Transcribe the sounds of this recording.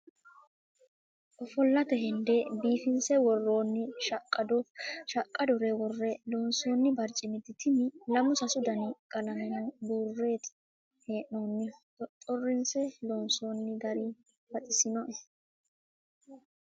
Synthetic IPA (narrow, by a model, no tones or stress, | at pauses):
ʔɔfɔlːɐt̪ɛhɪnd̪ɛbiːfɪnsɛwɔrːoːnːɪʃkʼːɐd̪ɔʃɐkʼːɐd̪ʊɾɛwɔrːɛloːnso̞ːnːɪbɐɾt͡ʃʼːɪmɪt̪ːɪt̪ʰɪmɪlɐmʊsɐsʊd̪ɐnɪkʼɐlɐmɛnɔd̪uːrːeːt̪ | heːʔnoːnːɪ | t̪ʼɔrːɪnsɛloːnso̞ːnːɪɡ̪ɐɾi | fɐt̪ʼɪsɪnɔʔɛs